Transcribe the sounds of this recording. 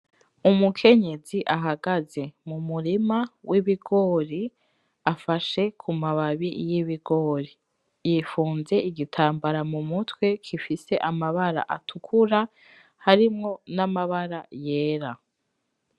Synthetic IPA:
umukʰe̞ɲe̞ziʔaɦaɡaze̞mumuɾimawʔiβiɡo̞ːɾi | afaʃe̞kʰumaβaβijiβiɡo̞ɾi | jiːfuːnze̞ʔiɡitʰaːmbaɾamumutwe̞kʰifise̞ʔamaβaɾa̰ʔatʰukʰuɾa | haɾimŋo̞namaβaɾaje̞ːɾa

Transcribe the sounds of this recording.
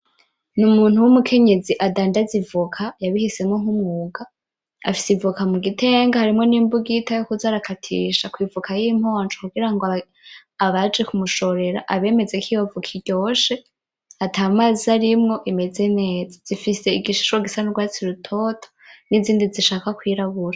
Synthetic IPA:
numuːn̥uwumukʰe̞ɲe̞ziʔadaːndazivukʰajaβihise̞mŋo̞ŋumŋuːɡa | a̰fisivukamuɡite̞ːŋɡahaɾimŋo̞niːmbuɡitajokuzaːɾakʰatʰḭːʃakwiːvukʰajiːm̥ho̞ːnd͡ʒokuɡiɾaŋɡo | aβad͡ʒekumuʃo̞ɾe̞ɾa̰ʔaβe̞ːme̞zekʰijovukʰiɾɟo̞ːʃe̞ | atʰaːmaziaɾimŋo̞ʔime̞ze̞ne̞ːzḁz̥ifise̞iɡiʃu̥ʃoɡisanuɾɡwaːt͡siɾutʰo̞tʰo̥niziːndiziʃaːkakwiːɾaβuɾa

